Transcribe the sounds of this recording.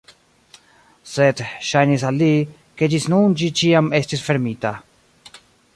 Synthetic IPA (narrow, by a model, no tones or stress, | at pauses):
sed̪ʃajnis̬alːi | ke̞d͡ʒisnund͡ʒit͡ʃiame̞st̪isfe̞ɾmita